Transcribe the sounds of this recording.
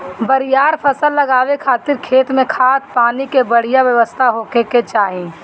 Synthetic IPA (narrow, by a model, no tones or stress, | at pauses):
bəɾijaːɾpʰəsəlːəɡaːʋekʰaːt̪ɪɾkʰeːt̪mẽkʰaːt̪̚paːnikebəɽ̤ijaʋjəʋəst̪ʰaɦoːkeket͡ʃaːɦĩ